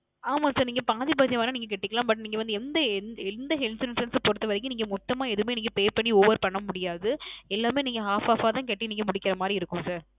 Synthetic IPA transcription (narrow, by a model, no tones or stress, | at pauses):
aːmaːsaːɾniːŋɡɐpaːðipɐːðjɐʋaːnɐniːŋɡɐk̬ɛʈːɪkːɐɭãːmbɐʈ̬ːniːŋɡɐʋɐnd̪ɯɛnd̪ɐɛnɛnd̪ɐɦɛlsɪɾɐnsɐnspɔɾɯt̪ːɐʋɐɾɪkːɯ̃niːŋɡɐmɔt̪ːɐmaːɛðɯmeːniːŋɡɐpeːpɐɳːioːʋɐɾpɐɳːɐmʊɽɪjaːðɯɛlːaːmeːniːŋɡɐɦaːfaːfaːt̪ãːk̬ɛʈːiniːŋɡɐmʊɽɪkːɪɾɐmaːd̪ɾiɪɾɯkːɯ̃msaːɾ